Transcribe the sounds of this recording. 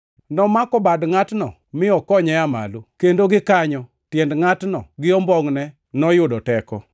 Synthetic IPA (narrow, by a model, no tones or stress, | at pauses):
nɔmakɔbadŋatnɔ̰ | mɪɔkɔɲɛama̰lukendoɡɪkaɲɔ | tjɛndŋatnɔ̰ɡɪɔmbɔŋnɛ | nɔjʊdɔtɛkɔ̰